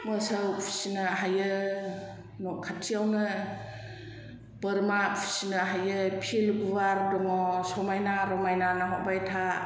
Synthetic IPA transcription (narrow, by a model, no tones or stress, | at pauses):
mɯsəwpʰi̥sinaɦajɯ | nɔkʰatʰiawnɯ | bəɾmapʰi̥sinaɦajɯpʰilɡuβaɾdɔŋɔsɔmajnaɾɔmajnanaɦɔʔ̚bajtʰa